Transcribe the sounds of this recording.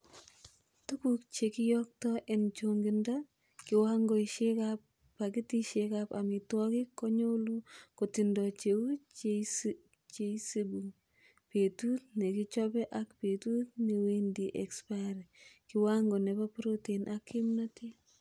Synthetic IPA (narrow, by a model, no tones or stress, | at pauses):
tukuk̚t͡ʃekijɔk̚tɔʔɛnt͡ʃoŋɡinda | kɪwaŋɡoiʃekap | pakitiʃekapamitwɔkikːɔɲolukotindɔt͡ʃeut͡ʃ | t͡ʃesibuŋ | petut̚nekit͡ʃɔpɛʔakpetut̚newendiʔɛkspaɾikɪwaŋɡonɛpapɾotenʔakʰːɪmnati